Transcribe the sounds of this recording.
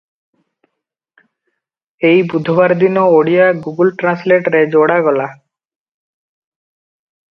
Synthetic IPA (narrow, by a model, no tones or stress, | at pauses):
ejbud̪ʱɔbaɾd̪inɔoɽijaɡuɡulʈɾansleʈɾed͡ʒoɽaɡɔla